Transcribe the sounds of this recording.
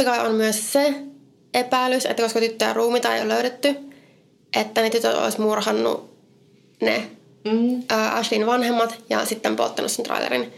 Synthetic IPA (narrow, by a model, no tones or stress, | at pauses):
ikɑonmyøsse | ʔepæilːysḛt̪ːækoskɑt̪yt̪ːøjɑ̰ruːmit̪ɑḛjo̰løyɾet̪ːy | ʔet̪ːænet̪yt̪ø̰t̪o̰ismurhɑnːṵ | nḛ | ʔəːʔɑʃlinʋɑnhemːɑt̪jɑ̰sit̪ːempo̰lt̪ːɑnʔusent̪rɑ̰ilḛɾḭn